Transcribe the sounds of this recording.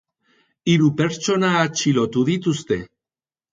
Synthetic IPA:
iɾupeɾt͡ʃonaːt͡ʃilot̪uðit̪ust̪e

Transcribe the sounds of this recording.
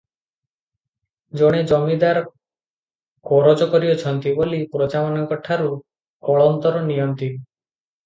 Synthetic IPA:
d͡ʒoɽ̃ed͡ʒɔmid̪aɾ | kɔɾɔd͡ʒɔkɔɾiot͡ʃʰɔnt̪ibolipɾot͡ʃamanɔŋkɔʈʰːaɾu | kɔɭɔnt̪ɔɾɔnijɔnt̪in

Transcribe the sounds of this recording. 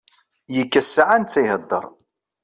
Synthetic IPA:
jəkːæsːaʕant͡sːæjhəd̪ˤːə̰ɾˤ

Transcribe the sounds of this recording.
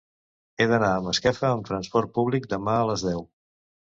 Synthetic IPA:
eðənaəməskɛfəːmt̪ɾənspɔrt̪̚puβlik̚d̪əmaələzðɛw

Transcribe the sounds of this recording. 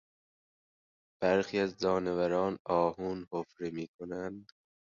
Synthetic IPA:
b̥æɾxiːæzd͡ʒɒːnevæɾɒːnɒːhuːnhofɾemiːkʰonænd̪

